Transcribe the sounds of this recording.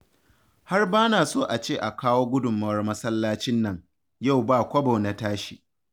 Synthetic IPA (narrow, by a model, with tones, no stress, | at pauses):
ha˦rbaː˦naː˨soː˦˨ʔa˨t͡ʃeː˦˨ʔa˨kaː˦woː˦ɡʷʊ˦dʊ˨mːɐ˦rmɐ˦sɐ˦lːaː˦t͡ʃɪ˦nːɐ˦˨ŋ | ja˦˨wbaː˦˨kʷɐ˦bo˨na˨taː˦ʃiː˨